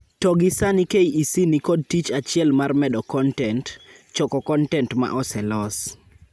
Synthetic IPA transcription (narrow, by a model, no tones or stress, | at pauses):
tɔɡɪsanikejisinikɔd̚tit͡ʃat͡ʃɪɛlmarmɛdɔkɔntɛnt | t͡ʃɔkɔkɔntɛntma̰ʔɔsɛlɔs